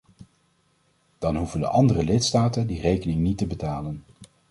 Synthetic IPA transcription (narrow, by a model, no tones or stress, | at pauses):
d̥ɑnɦuvəndə̰ʔɑndərəlɪtstaːtəndirejkənɪŋnitəbətaːlən